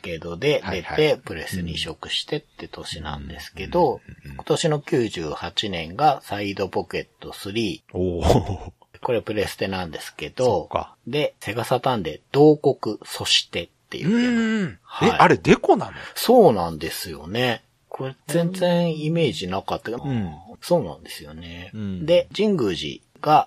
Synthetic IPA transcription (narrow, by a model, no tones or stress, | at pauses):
ke̞d̪o̞d̪e̞dae̞t̪e̞pɯ̟ɾe̞sɨɲ̟iɕo̞kɯ̟̥ɕi̥t̪e̞t̪ːe̞t̪o̞ɕinã̰nd̪e̞sɨ̥ke̞d̪o̞kko̞̥t̪o̞ɕino̞kʲɨːʑɨːhat͡ɕinẽ̞ŋɡasaid̪o̞po̞ke̞t̪ːo̞sɨɾʲiːo | ko̞ɾe̞pɯ̟ɾe̞sɨ̥t̪e̞nãnd̪e̞sɨ̥ke̞d̪o̰ | d̪e̞se̞ɡasat̪ãnd̪e̞̰d̪̥o̞ːko̞kɯ̟so̞ɕi̥t̪e̞t̪ːe̞̰jɯ̟ | haeḭaɾed̪e̞konãnso̞ːnãnd̪e̞sɨjo̞̰ne̞ | kʰo̞ɾezẽ̞nzẽ̞ɰ̃ime̞ːʑinakat̪ːe | so̞ːnã̰nd̪e̞sɨjo̞ne̞d̪e̞d͡ʑĩŋɡɯ̟ːʑḭ | ɡ̥a